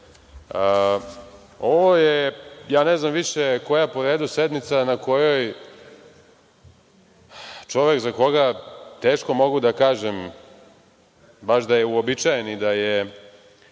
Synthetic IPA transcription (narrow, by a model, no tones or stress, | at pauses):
ə | oʋojejaːneznamʋiʂeko̞japoɾeːd̪used̪nit̪sanako̞jo̞j | t͡ʂo̞ʋekzako̞ɡat̪e̞ːʃko̞mo̞ɡud̪akaːʒem | baʃd̪ajeuobit͡ʃajenid̪aje